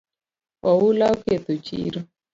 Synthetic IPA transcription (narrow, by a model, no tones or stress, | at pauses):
ɔulauket̪ut͡ʃḭːɾɔ